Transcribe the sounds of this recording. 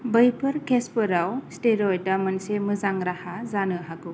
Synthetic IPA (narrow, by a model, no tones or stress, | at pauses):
bəjpʰɯɾkʰespɯɾawsteɾɔjdamɯnsemɯzaŋɾahazanɯɦaɡu